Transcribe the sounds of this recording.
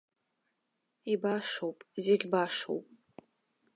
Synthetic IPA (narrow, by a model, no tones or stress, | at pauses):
ibaʂowpʼzeɡʲbaʂo̰wpʼ